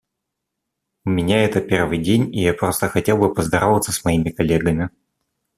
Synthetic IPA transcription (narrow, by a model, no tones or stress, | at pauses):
ʊmʲɪnʲaɛt̪əpʲe̞rvɨjdʲenʲijapɾo̞st̪əxɐtʲe̞lˠbɨpəzd̪ɐɾovət̪səsmɐimʲɪkɐlʲeɡəmʲɪ